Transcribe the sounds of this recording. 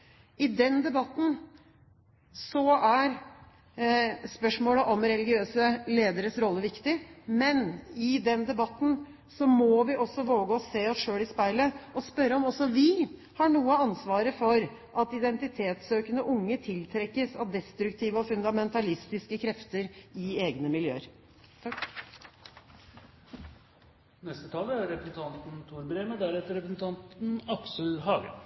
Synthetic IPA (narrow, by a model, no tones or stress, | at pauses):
ɪd̪ɛnd̪ɛbɑt̪ːn̩ | sɔæɾ | spœʂmoːləʔɔmɾɛlɪɡɪøːsəleːd̪əɾəsɾɔlːəʋɪkt̪ɪmɛnɪd̪ɛnd̪ɛbɑt̪ːn̩ | sɔmɔʋɪʔɔsːɔʋoːɡəɔsːeːɔsʂøːɭɪspæɪləɔspœɾːəɔmɔsːɔʋɪ | hɑɳuːəɑnsʋɑːɾəfɔɾ | ʔɑt̪ɪd̪ɛnt̪ɪt̪ʰeːt̪søːkənəʔʊŋːət̪ʰɪlt̪ʰɾɛkːəsɑʋd̪ɛst̪ɾʉkt̪ʰiːʋəɔfʉnd̪ɑmɛnt̪ɑlɪst̪ɪskəkʰɾɛft̪əɾɪeːɡnəmɪljø̰ːəɾ | nɛst̪ət̪ʰɑːləæɾɛpɾəsn̩t̪ʰɑnt̪n̩t̪ʰuːɾbɾeːməd̪æɾɛt̪ːəɾɛpɾəsn̩t̪ʰɑnt̪n̩ɑksəhɑːɡə̰